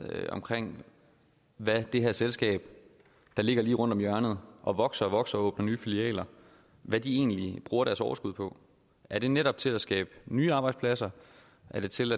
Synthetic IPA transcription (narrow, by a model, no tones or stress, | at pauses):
ɒ̽mkʰʁeŋ̰ | ʋæd̥e̝ɦæɐ̰selsɡ̥ɛ̰ːb̥ | d̥ɑ̈le̝ɡ̥ɐliːʁɔ̽n̰d̥ɒ̽mjɶɐnð̞̩ˠʔɒ̽ʋɒ̽ɡ̥sɐɒʋɒ̽ɡ̥sɐɒɔ̽ːb̥nɐnyːfiliɛ̰ːlɐ | ʋæd̥ie̝̰ːnlib̥ʁuːɐɾæɐsɒ̰ʊɐsɡ̥uð̞̰ˠpʰɒ̽ | æɐɾ̥e̝neɾɒ̽b̥̚t͡sʰe̝læsɡ̥ɛ̰ːb̥nyːɑ̈ːb̥ɑ̈ɪd̥spʰlæsɐ | ʔæɐɾ̥e̝t͡sʰe̝læ